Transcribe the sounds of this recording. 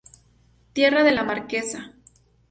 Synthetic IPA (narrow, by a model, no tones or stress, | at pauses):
t̪je̞raðe̞lamaɾke̞sa